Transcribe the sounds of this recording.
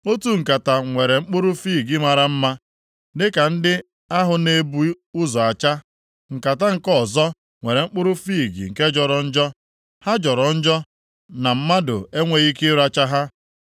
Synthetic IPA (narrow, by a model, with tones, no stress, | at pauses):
o˦tu˦ŋ̩˨ka˨ta˨ŋʷe˨ɾe˨ŋ͡m̩˦k͡pʊ˦ɾʊ˦fiː˦˨ɡi˦ma˨ɾa˨m̩˦ma˦ | dɪ˦ka˨n̩˦dɪ˦ | a˦ɦʊ˨ne˦bu˦ | ʊ˦zɔ˨a˨t͡ʃa˦ | ŋ̩˨ka˨ta˦ŋ̩˨kɔ˦˨zɔ˦ | ŋʷe˨ɾe˨ŋ͡m̩˦k͡pʊ˦ɾʊ˦fiː˦˨ɡḭ˨ŋ̩˨ke˦d͡ʒɔ˨ɾɔ˨n̩˦d͡ʒɔ˦ | ha˦d͡ʒɔ˨ɾɔ˨n̩˦d͡ʒɔ˦ | na˨m̩˦ma˦dʊ̰˨e˦ŋʷe˦ɣi˦kɪ˦ɾa˦t͡ʃa˦ɦa˦